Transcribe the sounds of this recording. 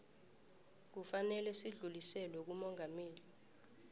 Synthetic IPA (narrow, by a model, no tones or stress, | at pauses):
k̬ufanɛlɛsiɮulisɛlɛk̬umɔŋameːli